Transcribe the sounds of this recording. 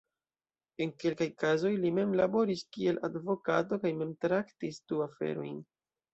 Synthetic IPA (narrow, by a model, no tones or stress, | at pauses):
e̞nke̞lkajkazo̞jlime̞mlabo̞ɾiskie̞lʔadvo̞kato̞kajme̞mtɾaktisduafe̞̰ɾo̞̰jn